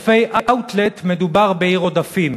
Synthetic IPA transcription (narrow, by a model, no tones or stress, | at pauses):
fejʔaʔawt̪let̪med̪ubaʁbeiʁod̪afim